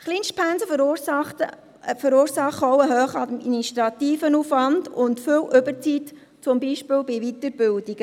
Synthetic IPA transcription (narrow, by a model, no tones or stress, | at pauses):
χliːnʃtpʰænsə | fəɾuːɾsɑχɔwəɦøːχəɑdminiʃtɾɑtiːfənuːfʋɑndʊntfʏlʔʏbəɾt͡sit | t͡sʊmbiːʃpɪːlbɪʋitəɾbɪldiɡ̥ə